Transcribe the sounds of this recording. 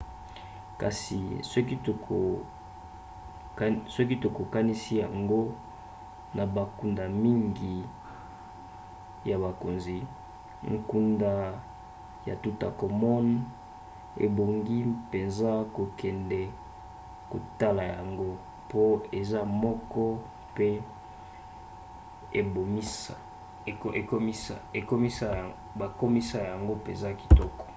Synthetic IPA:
ka̰˨sḭ˨sɔ˦ki˦to˨kʰo˨˦ | sɔ˦k̬i˦to˨ko˨ka˦ni˦si˦ja˨ŋɡo˦ | nʔa˨ba˨ku˨nda˨mi˦ŋɡi˨ | ja˨βa˨ko˨nzi˨ | ŋ˨ku˨nda˨ | ja̰˨tu˨ta̰˨ko˨mɔ˦n | ḛ˨bo˨ŋɡi˦pe˨nza˦ko˨kʰɛ˨ndɛ˨ | ko˨ta˦la˨ja˨ŋɡo˦ | po˦e˨za˦mɔ˦kɔ˦ | pe˦ | e˨bo˨mi˦ | e˨ko˦mi˦sa˨e˨ko˦mi˦sa˦˨ | ba˨ko˦mi˦sa˦ja˨ŋɡo˦pe˨nza˦ki̥˨tɔ˦kɔ̥˨

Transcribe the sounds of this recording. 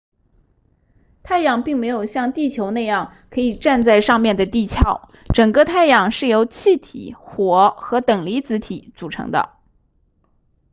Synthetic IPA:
t̪ʰa˥˩ɪjɑ˨˩ŋpi˥˩ŋme˧˥ɪjo˨˩ʊɕjɑ˥˧ŋt̪i˥˩t͡ɕʰjo˧˥ʊna˥˧ɪjɑ˥˩ŋ | kʰɤ˧˥i˨˩ʈ͡ʂa˥˧nt͡sa˥˧ɪʂɑ˥˧ŋmjɛ˥˩nd̪ə˩t̪i˥˩t͡ɕʰjɑ˥˩ʊ | ʈ͡ʂɤ˨˩ŋɡə˥˧t̪ʰa˥˩ɪjɑ˨˩ŋʂɻ̩˥˩jo˧˥ʊt͡ɕʰi˥˩t̪ʰḭ˨˩xwɔ˧˥xɤ˧˥t̪ɤ˨˩ŋli˧˥t͡sɹ̩˧˥t̪ʰi˨˩˦t͡su˨˩ʈ͡ʂʰɤ̰˧˥ŋd̪ə̰˧

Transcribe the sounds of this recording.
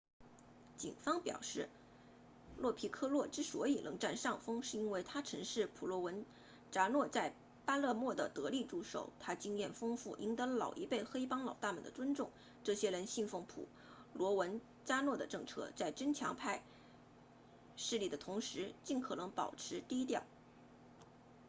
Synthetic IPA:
t͡ɕḭ˨˩nfɑ˥ŋpjɑ̰˨˩ʊʂɻ̩˥˩ | lwɔ˥˩pʰi˧˥kʰɤ˥lwɔ˥˩ʈ͡ʂɻ̩˥swɔ˧˥i˨˩lʔɤ˧˥ŋʈ͡ʂa˥˧nʂɑ˥˩ŋfɤ˥ŋʂɻ̩˥˧i˥nwe˥˩ɪt̪ʰa˥ʈ͡ʂʰɤ˧˥ŋʂɻ̩˥˩pʰu˨˩lwɔ˧˥wə˧˥n | ʈ͡ʂa˥nwɔ˥˧t͡sa˥˩ɪ | pa˥lɤ˥˧mwɔ˥˩d̪ə˩t̪ɤ˧˥li˥˧ʈ͡ʂu˥˩ʂo̰˨˩ʊt̪ʰa˥t͡ɕi˥ŋjɛ˥˩nfɤ˥ŋfu˥˩ʔi˧˥ŋt̪ɤ˧˥lɑ˨˩ʊʔi˧˥pe˥˩ɪxe˥ɪpɑ˥ŋlɑ˨˩ʊt̪a˥˩mə̰˨˩nd̪ə˩ʈ͡ʂwə˥nʈ͡ʂʊ˥˩ŋ | ʈ͡ʂɤ˥˩ɕjɛ˥ɻə˧˥nɕi˥˧nfɤ˥˩ŋpʰṵ˨˩ | lwɔ˧˥wə˧˥n | t͡ɕa˥nwɔ˥˩d̪ə˩ʈ͡ʂɤ˥˧ŋʈ͡ʂʰɤ̰˥t͡sa˥˩ɪʈ͡ʂə˥nt͡ɕʰjɑ˧˥ŋpʰa˥˧ɪ | ʂɻ̩˥˧li˥˩d̪ə˩t̪ʰʊ˧˥ŋʂɻ̩˧˥t͡ɕi˥˩nkʰɤ˨˩nɤ˧˥ŋpɑ̰˨˩ʊʈ͡ʂʰɻ̩˧˥t̪i˥˧i˥t̪jɑ˥˩ʊ

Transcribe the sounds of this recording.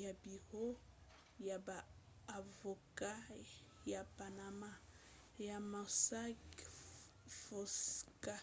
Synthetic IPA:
ja˨bi˨ho˦ | ja˨baː˨ | vo˨ka˦ | ja˨pa˨na˨ma˦ | ja˨ma˨sa˦k | fo˨ska˦

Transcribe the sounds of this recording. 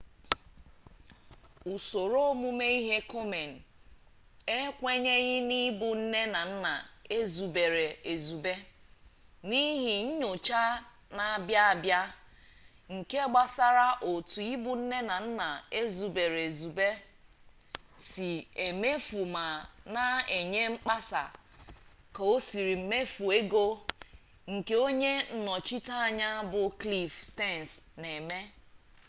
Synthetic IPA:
u˨so˨ɾo˦o˦mu˦me˦i˦ɦe˦ko˦me˨n̩˨ | e˦kʷe˦ɲe˦ɣɪ˦ni˦bʊ˨n̩˦ne˦na˨n̩˦na˨e˦zu˨be˨ɾe˨e˨zu˨be˦ | ni˦ɦi˨ɲ̩˦ɲo˨t͡ʃa˦ | na˨a˨bja˦a˨bja˦ | ŋ̩˨ke˦ɡ͡ba˨sa˦ɾa˦ʔo˨tu˨i˦bʊ˨n̩˦ne˦na˨n̩˦na˨e˦zu˨be˨ɾe˨zu˨be˦ | si˨e˨me˦fu˨ma˨na˦e˨ɲe˦ŋ͡m̩˦k͡pa˦sa̰˨ | ka˨o˦si˨ɾi˨m̩˨me˦fu˨e˦ɡo˦ | ŋ̩˨ke˦o˦ɲe˦n̩˨nɔ˨t͡ʃi˦ta˦a˨ɲa˦bʊ˨kli˦fste˦˨n˨sne˨me˦

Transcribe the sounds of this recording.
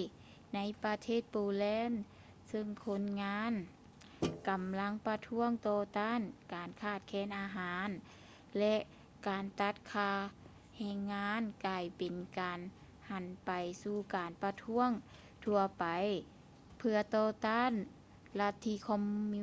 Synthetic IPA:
na˧˥jpa˧t̪ʰeː˧˥˩t̪̚poː˧lɛː˧˥n | sɯ˧ŋkʰo˧˥nŋaː˧˥˨n | ka˨mla˧˥˨ŋpa˧t̪ʰu˧˥əŋt̪ɔː˧t̪aː˧˥˨nkaː˨˩nkʰaː˧˩t̪̚kʰɛː˧˥˨nʔaː˨˧ɦaː˨˧˦n | lɛ˧ʔ | kaː˨nt̪a˧˥t̪̚kʰaː˧ | hɛː˧ŋːaː˧˥nkaː˧˩jpe˨nkaː˨n | ha˨˩npa˨jsuː˧˩kaː˨˩npa˧t̪ʰu˧˥əŋ | t̪ʰu˧ɐpa˨j | pʰɯ˧ɐt̪ɔː˧t̪aː˧˥˨n | la˧t̪ʰːiː˧kʰɔ˧mːi˧

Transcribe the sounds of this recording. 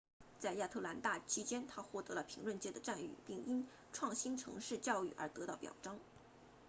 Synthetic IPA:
t͡sa˥˧ɪja˥˧˩t̪ʰɤ˥˩la˧˥nt̪a˥˩t͡ɕʰi˥t͡ɕjɛ˥nt̪ʰa˥xwɔ˥˩t̪ɤ˧˥lə˧pʰi˧˥ŋlwə˥˩nt͡ɕjɛ˥d̪ə˨ʈ͡ʂa˥˧ny̰˥˩pi˥˩ŋi˥n | ʈ͡ʂʰwɑ˥˩ŋɕi˥nʈ͡ʂʰɤ̰˧˥ŋʂɻ̩˥˧t͡ɕjɑ˥˧ʊy̰˥˩ʔə̰˞˧˥t̪ɤ˧˥t̪ɑ˥˩ʊpjɑ̰˨˩ʊʈ͡ʂɑ˥ŋ

